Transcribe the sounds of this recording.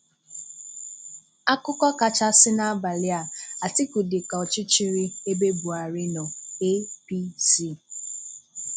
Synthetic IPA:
a˦kʊ˦kɔ˦ka˨t͡ʃa˦sɪ˦na˦a˦ba˨lɪ˦a˨a˨tɪ˦ku˨dɪ˨ka˨ɔ˨t͡ʃɪ˦t͡ʃɪ˦ɾɪ˦e˦be˦bu˨a˨ɾɪ˦nɔ˨e˦pi˦si˦˨

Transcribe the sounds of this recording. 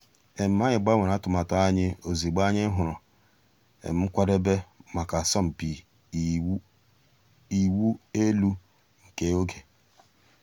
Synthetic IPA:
e˨m̩˨˦ma˦ɲɪ˨ɡ͡ba˦we˨ɾa˨˦tʊ˨ma˨ta˨˦a˦ɲɪ˦o˨zi˨ɡ͡ba˦ɲɪ˦ɦʊ˨ɾɔ˨ | ḛ˨m̩˨˦m̩˦kʷa˦de˦be˦ma˨ka˨sɔ˦m̩˨pi˨ | i˨wu˦e˦lu˦ | ŋ̩˨ke˦o˦ɡe˨

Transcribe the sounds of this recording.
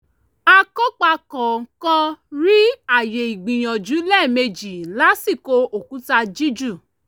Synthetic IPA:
a˧kɔ˦k͡pa˧kɔ˨ŋ̩˨kã˦ɾi˦a˦˨je˨i˨ɡ͡bĩ˨j̃ɔ̃˨d͡ʒu˨˦lɛ˦˨me˧d͡ʒi˨la˨˦si˦˨ko˧o˨ku˨˦ta˧d͡ʒi˦d͡ʒu˦˨

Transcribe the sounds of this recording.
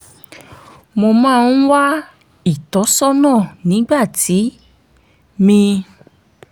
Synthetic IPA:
mo˧mãː˦˧˦n˦wa˦ | i˦˨tɔ˨˦sɔ˦nãː˦˨nĩ˨˦ɡ͡ba˦˨ti˨˦ | mĩ˧

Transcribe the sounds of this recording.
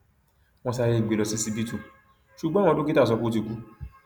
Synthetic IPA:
w̃ɔ̃˧sa˧ɾe˧˨ɡ͡be˨lɔ˧si˦si˦˧bi˦tũ˦˨ | ʃu˨ɡ͡bɔ̃˦ɔ̃˧˦do˦ki˦ta˦˨s̬ɔ˧ko˦t̬i˨ɡu˨˦

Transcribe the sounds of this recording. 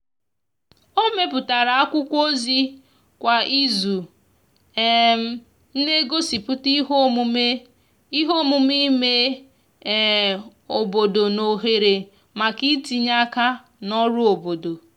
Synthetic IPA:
o˦me˦p̬ʊ˨ta˨ɾa˨a˦kʷʊ˦kʷo˦zi˦ | kʷa˨ʔi˦zu˨ | m˨ | n̩˦ne˦ɡo˦si˨pʊ˦ti˦ɦo˦mu˦me˦ | i˦ɦo˦mu˨mi˦me˦˨ | o˨bo˨do˨no˨ɦe˨ɾe˨ | ma˨ki˦ti˨ɲa˦ka˦ | nɔ˦ɾʊ˦o˨bo˨do˨

